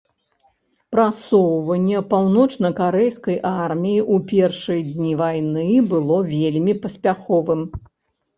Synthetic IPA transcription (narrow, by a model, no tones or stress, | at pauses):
pɾasɔwvɐnʲːɛpawnɔt͡ʂnɐkaɾɛjskɐjʔarmʲijiʔupʲɛrʂɨjd̪ʲnʲivajnɨbɨlˠɔvʲelʲmʲipɐsʲpʲaxɔvɨm